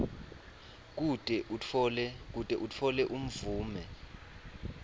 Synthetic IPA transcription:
k̬utʼɛulɛk̬utʼɛʔut͡fʰɔlɛʔum̩vuːmɛ

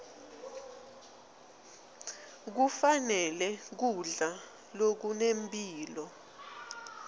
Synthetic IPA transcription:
k̬ufanɛlɛk̬uɮa | lok̬unempʼiːlɔ

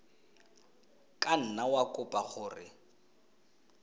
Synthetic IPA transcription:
kʼan̩nawakʼʊpʼaχʊːrɪ

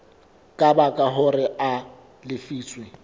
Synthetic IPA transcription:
kʼabakʼaɦʊrɪʔa | lɪfiːt͡sʼwɪ

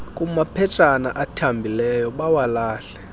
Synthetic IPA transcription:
kʼumapʰɛt͡ʃʼanaʔatʰambʱilɛjɔɓawalaːɬɛ̥

